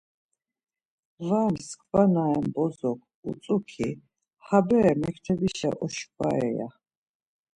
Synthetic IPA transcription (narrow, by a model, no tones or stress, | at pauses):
vaːmskʰʼbanaɛmbɔzɔk̚ʰ | ṵt͡s̪ʼukʰi | habɛɛmɛkʰt̪ʰɛbiʃa̰ʔɔʃkʼa̰ɛja̰